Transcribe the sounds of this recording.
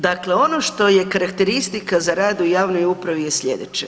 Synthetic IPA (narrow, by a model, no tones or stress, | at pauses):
d̪akle̞o̞no̞ʃt̪o̞je̞kaɾakt̪eɾist̪ikazaɾaːd̪ujaːʋno̞jupɾaʋijesʎʲe̞̰d̪ḛt͡ʃe